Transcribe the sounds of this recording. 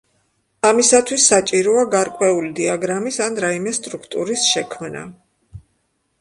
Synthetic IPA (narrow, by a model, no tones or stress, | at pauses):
amisat̪ʰwisːat͡ʃʼiɾɔaɡaɾkʼwɛulid̪iaɡɾamisanɾaimɛst̪ʼɾukʰt̪ʼuɾisʃɛkʰmna̰